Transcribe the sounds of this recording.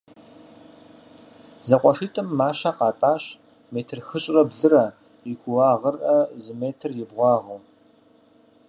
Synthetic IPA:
zɐqʷʼɔʂiːtʼɨmːaːɕɐqɑːtʼaːɕ | meːtʰɨrxɨɕʼrɐbɮɨrɐ | jɪɡʷʊwɑːʁərʔɐzɨmeːtʰɨrjɪbʁʷɑːʁu

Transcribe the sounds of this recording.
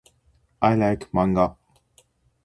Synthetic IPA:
aɪlaɪkmãŋɡa

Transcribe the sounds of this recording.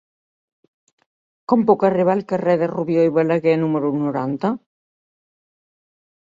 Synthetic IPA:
kɔmpokareβalkarɛðeruβjojβalaɣɛnumeɾunoɾant̪a

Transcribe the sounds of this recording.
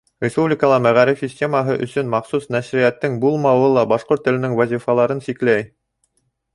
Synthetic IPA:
rʲɪspublʲɪkəlˠɑmæʁæɾɘfsʲisʲtʲe̞maɦɤʔɵ̆sɵnmɑχsusnæʃɾijæt̪ːɘŋbulˠmɑwɤlˠɑbɑʃqoɾt̪ːɘ̆lɘ̆nɘŋwæzʲifɑlˠɑɾɤnsiklæj

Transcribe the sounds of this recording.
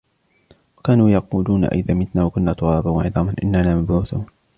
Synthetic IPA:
wakaːnuːjɑquːluːna̰ʔɪðaːmɪt̪naːwakʊnːaːt̪ˤʊɾˤɑːbanwaʕɪðˤɑːmanʔɪ̰nːanaːmabʕuːθuːn

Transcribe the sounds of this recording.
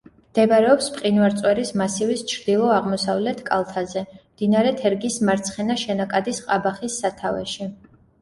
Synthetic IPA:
md̪̥ɛbɾɛɔpspʼqʼinvaɾt̪sʼwɛɾismasivist͡ʃʰɾd̪̥ilˠɔaʁmɔsavlɛt̪ʰkʼa̰lˠt̪ʰazɛmd̪̥inaɾɛt̪ʰɛɾɡismaɾt̪sʰχɛnaʃɛnakʼad̪isqʼabaχisːat̪ʰavɛ̰ʃi

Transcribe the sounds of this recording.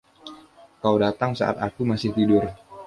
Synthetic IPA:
kawdat̪aŋsa̰ʔa̰t̪akumasɪht̪idʊr

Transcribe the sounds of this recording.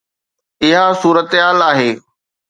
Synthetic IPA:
ɪɦasuːɾət̪ɦaːlaːɦeː

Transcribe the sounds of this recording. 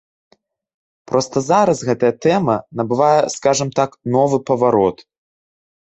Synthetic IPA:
pɾɔst̪ɐzaɾɐsɣɛt̪ɐjɐt̪ɛmɐnɐbɨvajɛskaʐɨmt̪aknɔvɨpɐvaɾɔt̪

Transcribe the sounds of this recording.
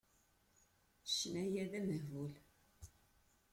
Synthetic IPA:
ʃnæjæðæmvul

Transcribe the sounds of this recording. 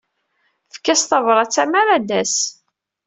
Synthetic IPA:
fkːæst̪ɑvɾˤɑt͡sːæmæɾæd̪æs

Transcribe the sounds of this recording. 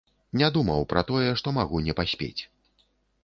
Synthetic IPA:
nʲad̪umɐwpɾɐt̪ɔjɛʂt̪ɔmaɣunʲɛpasʲpʲḛt͡sʲ

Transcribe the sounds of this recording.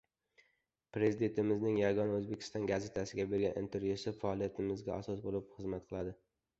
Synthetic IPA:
pɾe̞zɪd̪e̞nt̪ʰɪmɪznɪŋjaɡɒnaɵzbekʲʰɪ̥st̪ɒnɡaze̞t̪ʰasɪɡʲabe̞ɾɡʲanʔḭnt̪ʰe̞ɾvjusɪfaɒlˠijat̪ʰɪmɪzɡʲaasɒsbolɪpχɨzmat̪̚qʰɨlˠad̪ɪ

